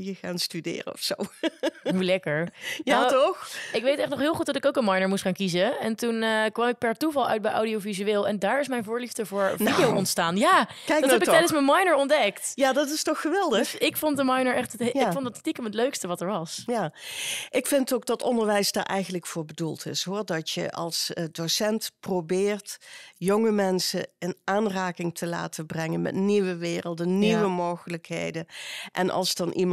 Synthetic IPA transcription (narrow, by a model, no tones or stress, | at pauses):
jəχaːnstydɪ̰ːrə̰ɔ̰fsowɦulɛkəɹjatɔxɪkʋejtɛχtnɔχɦɪːlˠχut̚dɑtɪkowkənmɑjnəɹmustχaːnkizəɛntunkʋɑmɪk̚pɛɹtuvɑlˠœ̰ɥt̚bɛjʔɔ̰wdiowvizyɪːlˠɛndaːɹɪsmɛjnvʊːɹlivdəvʊːɹidijowʔɔntstaːnjaːkɛjkdɛpɪktɛjdəns̬mənmɑjnəɹɔndɛktjaːdɑtɪstɔχːəʋɛlˠdəxɪkfondəmɑjnəɹʔɛχtətɪkfontdɑtstikəmətløɥkstəʋɑtəɹʋɑsjaːʔɪkfɪntowk̚ɡ̚dɑtɔndəɹʋɛjsdaːɹʔɛ̰jɣənləkfʊːɹbədulˠtʰɪ̰sɦʊːɹdɑtjə̰ʔɑ̰lˠsədosɛntprobɪːrtjoŋəmɛnsə̰ɪnaːnraːkɪŋtʰəla̰ːtəbrɛŋənmɛ̰tniʋəʋɪːrəlˠdənniʋəmowχələkɦḛjdənʔɛ̰nʔɑ̰lˠsdɑnʔim